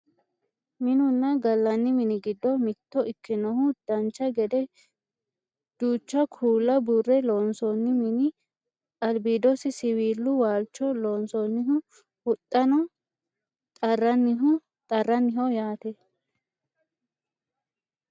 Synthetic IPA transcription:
mɪnʊnːɐɡɐlːɐnːɪmɪnɪɡɪd̪ːɔmɪt̪ːɔʔɪkːɪnɔhʊd̪̥ɐnt͡ʃːɐɡɛd̪ɛ | d̪̥uːt͡ʃːɐkʰuːlːɐburːɛloːnsɔnːɪmɪnɪ | ɐlbiːd̪ɔsɪsɪwiːlːʊwaːlt͡ʃːɔloːnsɔnːɪɦʊ | hʊt̪ʼːɐnɔ | t̪ʼɐrːɐnːɪɦʊ | t̪ʼɐrːɐnːɪɦɔjaːt̪ɛ

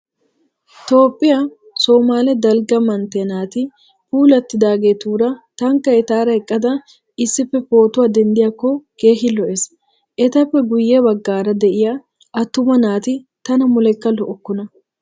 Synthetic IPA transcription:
t̪o̞ːpʼːɪja | soːmaːlɛd̪ɐlɡɐmɐnt̪ɛnaːt̪ɪ | fuːlɐt̪ːɪd̪aːɡet̪uːɾɐt̪ɐŋkːɐɛt̪aːɾɐɛkʼːɐd̪ɐ | ɪsːɪpːɛfo̞ːt̪ʊwaːd̪ɛnd̪ɪjɐkːɔke̞ːɦɪlɔʔes | ʔɛt̪ɐpːɛɡʊjːewɐɡːaːɾɐd̪ɛʔɪjɐ | ʔɐt̪ːʊmɐnaːt̪ɪ | t̪ɐnɐmʊlɛkːɐlɔʔɔkːʊnɐ

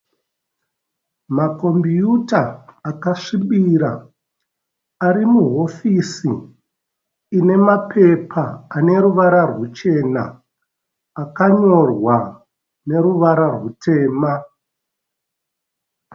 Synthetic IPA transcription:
mako̞mbijutaːkaʂiɓiɾa̰ | aɾimuɦo̞fisi | ne̞mapʰe̞pʰaːne̞ɾuʋaɾarwut͡ʃe̞na̰ː | kaɲo̞rwa | ne̞ɾuʋaɾarwutʰe̞ːma

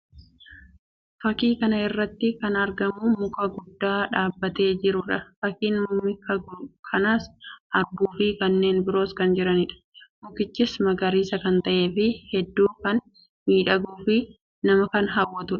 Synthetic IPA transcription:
fɐkiːkɐnɐɪrːɐt̪ːɪkɐnɐɾɡɐmʊmʊkɐɡʊd̪ːaːᶑaːbːɐt̪e̞ːd͡ʒɪɾʊᶑɐfɐkiːnmʊmɪkɐkʰɐnaːsʔɐɾɡuːfɪkɐnːe̞ːnbɪɾo̞ːskɐnd͡ʒɪɾɐnɪᶑɐ̥mʊkɪt͡ʃːɪsmɐɡɐɾiːsɐkɐnt̪ɐʔe̞ːfɪhɛd̪ːuːkɐn | miːᶑɐɡuːfɪ | nɐmɐkɐnɦɐwːɐt̪ʊᶑɐ̥

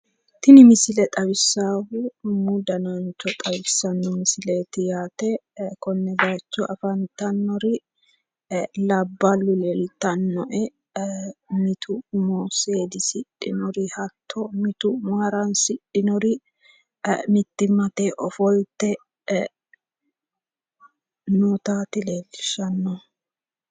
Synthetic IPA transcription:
t̪ɪnɪmɪsɪlɛt̪ʼɐβɪsːaːwʊmʊd̪ɐnɐnt͡ʃːɔt̪ʼɐβɪsːɐnːɔmɪsɪleːt̪ɪjaːt̪ɛkɔnːɛɡaːt͡ʃːɔʔɐfɐnt̪ɐnːɔɾɪ | lɐbːɐlʊlɛlt̪ɐnːɔʔɛ | mɪt̪ʰʊmɔseːd̪ɪsɪᶑɪnɔɾɪhɐt̪ʰːɔmɪt̪ʊmɐɾɐnsɪᶑɪnɔɾɪ | mɪt̪ːɪmɐt̪eʔɔfɔlt̪ːɛ | nɔt̪aːt̪ɪleːɡɪ̥ʃɐnːɔ

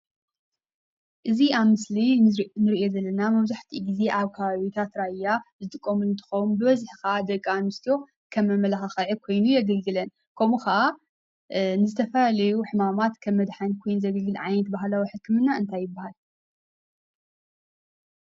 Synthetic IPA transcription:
ʔɨziaβmɨslinɨɾiʔo̞zɐlːɐnamɐβzaħt̪ʰiɡize̞ʔaβkʰɐβaβit̪ʰat̪ɾajazɨt̪ʼɨkʼːɐmulɨnt̪ʰɨ̥xɐwunbɨβɐzħɨkad̪ɐkʼːanɨst̪ʰijo̞ | kʰɐmːɐmɐlaxɐxɐʕɨkʰo̞jnujɛɡɐlɡɨlɐn | kʰomuxɐʔa | nɨzɨt̪ʰɐfɐlalɐjuħɨmamat̪kʰɐmːɐd̪ħankʰo̞jnuzɐɡɐlɡɨlʕajnɐt̪̚baɦlawiħɨkːɨmɨnːaɨnt̪ʰajːɨbːahal

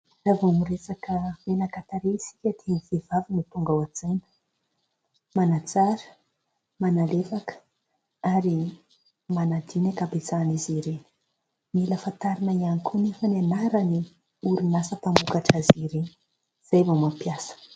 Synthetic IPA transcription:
ravumuɾesakəmenakat̪aɾeisi̥kʲət̪ʰenifivavinit̪uŋɡawad͡zajnə̥ | manat͡saɾə̥ | manalefakə̥ | aɾi | manad̪inakabet͡saniziɾeni̥ | miləfant̪aɾinaianikunefənianaɾani | uɾinasəpambukaʈ͡ʂaziɾeni | z̥ajvomapjasə̥

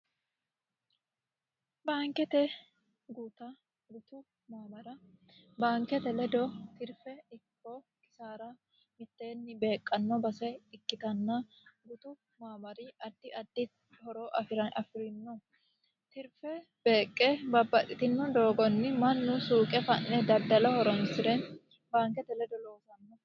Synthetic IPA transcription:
baːŋkɛt̪ɛ | ɡuːt̪ɐ | ɡʊt̪ʊ | maːbɐɾɐ | baːŋkɛt̪ɛlɛd̪ɔt̪ɪɾfɛɪkːɔ | kɪ̥saːɾɐ | mɪt̪ːe̞ːnːɪbe̞ːkʼːɐnːɔbɐsɛɪkːɪt̪ɐnːɐ | ɡʊt̪ʊ | maːbɐɾɪʔɐd̪ːɪʔɐd̪ːɪ | hɔɾoːʔɐfɪɾɐnʔɐ̰fɪɾɪnːɔ | t̪ɪɾfɛ | b̥e̞ːkʼːɛbɐbːɐʔɪt̪ɪnːɔd̪oːɡɔnːɪmɐnːʊsuːkʼɛfɐnːɛd̪ɐd̪ːɐlɔhɔɾɔnsɪd̪ɛ | baːŋkɛt̪ɛlɛd̪ɔlo̞ːsɐnːɔ

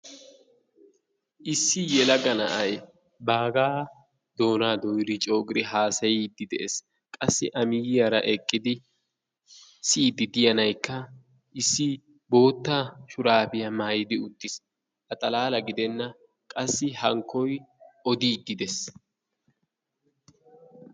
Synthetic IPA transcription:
ʔɪsːɪjɛlɐɡɐnɐ̰ʔɐj | baːɡaː | d̪o̞ːnaːd̪ɔjɪd̪ɪt͡ʃʼo̞ːɡɪɾɪɦaːsɐjid̪ːɪd̪ɛʔḛs | kʼɐsːɪ̰ʔɐmɪjɪjɐɾɐ̰ʔɛkʼːɪd̪ɪ | siːd̪ɪd̪ɪjɐnɐjkːɐ | ʔɪsːɪ | bo̞ːt̪ːaːʃʊɾaːbɪjɐmaːjɪd̪ɪʊt̪ːɪs | ʔɐt̪ʼɐlaːlɐɡɪd̪ɛnːɐ | kʼɐsːɪhɐŋkʰːɔjɔd̪iːd̪ːɪd̪ɛs

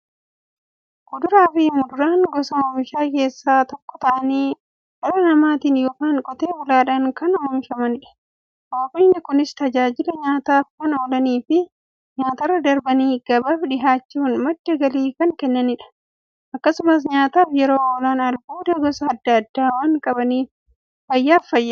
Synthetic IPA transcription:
ɡʊd̪ʊɾaːfɪmʊd̪ʊɾaːŋɡɔsɐmɪʃaːke̞ːsːaːt̪ɔkːɔ̥t̪ɐʔɐniː | ɐɾɐnɐmaːt̪iːnjoːkaːŋkʼɔt̪e̞ːbʊlaːᶑɐŋkɐnɔmɪʃɐmɐnɪᶑɐ̥ | waːkɪːnːɪkʊnɪst̪ɐd͡ʒaːd͡ʒɪlɐɲaːt̪aːfkɐnoːlɐniːfɪ | ɲaːt̪ɐrːɐd̪ɐɾbɐniːɡ̥ɐbaːfᶑɪɦaːt͡ʃːuːnmɐdːɐɡɐliːkɐŋkɛnːɐnɪᶑɐ̥ | ʔɐkːɐsʊmɐs̬ɲaːt̪aːfjɛɾoːoːlaːnɐlbuːd̪ɐɡɔsɐɐd̪ːɐːd̪ːaːwaːŋkʼɐbɐniːf | fɐjːaːfːɐjːa

